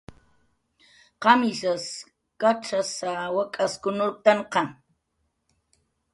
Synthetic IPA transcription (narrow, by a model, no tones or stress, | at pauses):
qɑmɪsas | kaʈ͡ʂasawakʼaskʊnʊɾt̪aɴqɑ